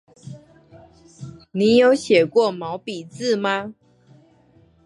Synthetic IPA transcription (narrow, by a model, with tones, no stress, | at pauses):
ni˨˦jo˨˦ʊɕjɛ˨˩kwɔ˥˨mɑ˨˦ʊpi˨t͡sɹ̩˥˨ma˦